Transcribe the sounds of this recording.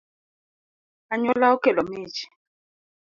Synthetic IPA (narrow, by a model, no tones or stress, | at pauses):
aɲɔlaɔkɛlɔmiːt͡ʃʰi̥